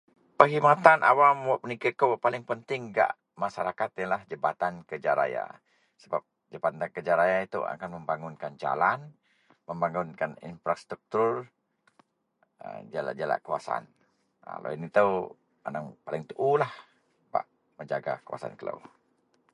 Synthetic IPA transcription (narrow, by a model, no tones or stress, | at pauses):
pəɦimat̪anʔa̰wamwɔʔpənikakəwpalɪŋpənt̪ɪŋɡa̰ʔ | masaɾakat̪alahd͡ʒəbat̪ankəd͡ʒaɾa̰ja̰ | səbap̚ | d͡ʒəbanakəd͡ʒaɾajait̪ṵa̰kanməmbaŋʊnkand͡ʒa̰lan | məmbaŋʊnkanḭnfɾast̪ɾuk̚t̪ur | əd͡ʒala̰d͡ʒala̰ʔkua̰saa̰n | a̰lo̰init̪ə | anaŋpalɪŋt̪uʔulah | pa̰ʔ | məɲd͡ʒaɡa̰kuwa̰sa̰nkələ̰w